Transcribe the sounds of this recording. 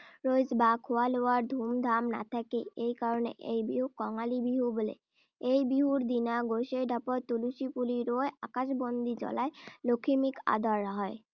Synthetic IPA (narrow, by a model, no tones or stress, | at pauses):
ɾojd͡ʑbakʰoaloaɾd̪ʱumd̪ʱamna̰t̪ʰakeejkaɾonḛʔḛjbiɦukɔŋalibiɦubolḛ | ejbiɦuɾd̪inaɡoʃeɾɖʱapoɾt̪uluʃipuliɾoeakaʃbond̪id͡ʑɔ̰laelokʰimika̰d̪aɾɦɔe